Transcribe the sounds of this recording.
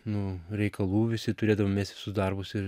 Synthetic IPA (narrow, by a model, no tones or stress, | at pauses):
nʊɾʲɛɪkɐlˠuːʋʲɪsʲɪt̪ʊɾʲeːd̪ɐʋomʲeːsʲt̪ʲʋʲsʊsd̪ɐrbʊsɪɾ